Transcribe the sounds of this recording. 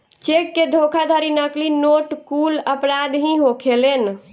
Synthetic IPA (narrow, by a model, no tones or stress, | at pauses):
t͡ʃekːed̪ʱokʰad̪ʱəɾinəklinoʈkuləpɾad̪ɦĩɦokʰelen